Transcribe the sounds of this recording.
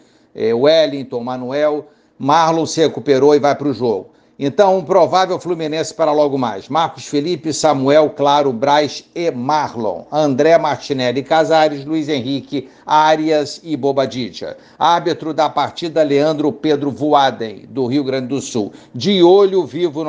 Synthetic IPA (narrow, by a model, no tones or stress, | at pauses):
ɛ̰uɛlĩt̪õw̃mɐ̃nuɛw | maɾlõw̃sɪhekupeɾoɪvajpɾʊʒoɡʊ | ẽt̪ɐ̃w̃ũpɾovavewfluminẽsɪ̥paɾɐlɔɡʊma̰jsmaɾkʊsfilipɪsɐmuɛwklaɾʊbɾajʃemaɾlõ̰w̃ɐ̃nd̪ɾɛmaɾt͡ʃinɛlɪkazaɾɪʃluizẽɦikɪ | aɾiɐzɪbobad͡ʒid͡ʒɐ̰ | aɾbit̪ɾʊd̪ɐpaɾt͡ʃid̪ɐleɐ̃nd̪ɾʊped̪ɾʊvuad̪ẽj̃d̪ʊɦiʊɡɾɐ̃d͡ʒɪd̪ʊsuwd͡ʒɪolʊvivʊn